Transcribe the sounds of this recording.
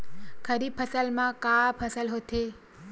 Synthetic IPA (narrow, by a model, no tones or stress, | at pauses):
kʰəɾibpʰəsəlmãkapʰəsəlɦot̪ʰe